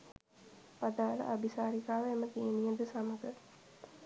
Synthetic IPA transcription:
pad̪aːlə̰ʔabisaːɾikaːʋemət̪iənijəd̪əsaməɡə

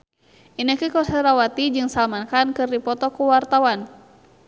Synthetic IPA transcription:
ʔinəkikɔsɛɾawat̪id͡ʒɨŋsalmankankɨrdipɔt̪ɔkuwart̪awan

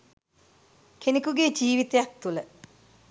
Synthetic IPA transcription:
kʰenekuɡeːd͡ʒiːʋit̪ejak̚t̪ulə

